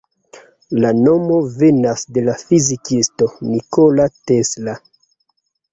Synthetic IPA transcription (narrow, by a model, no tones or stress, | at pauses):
lano̞mo̞ve̞nasde̞lafizikisto̞nikolatesla